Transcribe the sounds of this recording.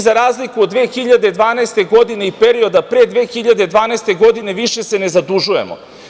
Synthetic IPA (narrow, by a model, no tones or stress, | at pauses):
zaɾaːzlikuod̪ʋeːxiʎad̪e̞d̪ʋaːnaest̪e̞ɡo̞d̪ineipe̞ɾio̞d̪apɾed̪ʋeːxiʎad̪e̞d̪ʋaːnaest̪e̞ɡo̞d̪ine̞ʋiʃe̞sene̞zad̪uʒuje̞̰mo̰